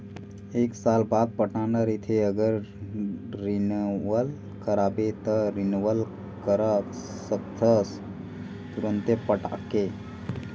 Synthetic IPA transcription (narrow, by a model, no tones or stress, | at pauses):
eːksaːlbaːd̪̚pəʈanaɾit̪ʰeəɡəɾ | ɾinwəl | kəɾaːbet̪əɾinwəl | kəɾa | səkt̪ʰəs | t̪uɾənt̪epəʈa̰kːe